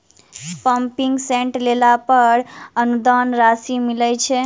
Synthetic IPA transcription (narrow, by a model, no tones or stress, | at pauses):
pəmpiŋɡsẽɳʈlelapəɾənud̪anɾasimiləjt͡ʃʰɛ